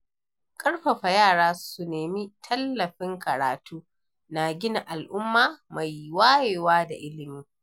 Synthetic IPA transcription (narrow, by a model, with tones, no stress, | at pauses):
kʼɐ˦ɽɸɐ˨ɸa˨jaː˦˨ɽaː˦su˨neː˨mi˦tʰɐ˦lːɐ˨ɸɪ˦ŋkɐ˨ɾa̰ː˨tuː˦ | na˨ɡʲɪ˦na˨ʔa˨lʔʊ˦mːaː˦˨ma˨jwaː˦jeː˨waː˦da̰˨ʔɪ˦lɪ˨miː˦